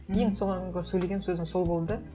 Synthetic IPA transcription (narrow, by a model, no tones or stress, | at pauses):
kʰʲejɪnsoʁɑʁɑsɵjle̞ɡʲensɵzɪŋso̞lˠbo̞lˠd̪ə